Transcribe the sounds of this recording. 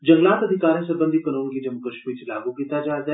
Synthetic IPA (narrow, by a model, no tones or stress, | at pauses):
d͡ʒɐ̃ŋɡlaːt̪ɐd̪ʱɪkaːɾẽsɐbə̃nd̪ʱikɐnoːnkid͡ʒɐmukəʃmiːɾt͡ʃɐlaːɡũkiːt̪ad͡ʒaːɾd̪